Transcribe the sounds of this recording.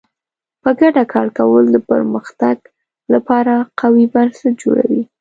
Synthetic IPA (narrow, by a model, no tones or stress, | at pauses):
pəɡaɖakɑɾkawəld̪əpə̰ɾməxt̪aɡ | lapɑɾaqawibaɾsad͡ʒo̰ɽa̰wi